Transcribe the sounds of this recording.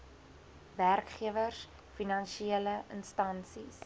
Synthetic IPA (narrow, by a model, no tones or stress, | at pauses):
værkχiəvərs | finɐnʃiiələʔənstɐnsis